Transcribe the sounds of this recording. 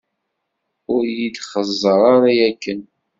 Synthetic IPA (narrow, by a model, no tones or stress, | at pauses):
ʊɾjid̪χəzˤːəɾˤaɾajækːən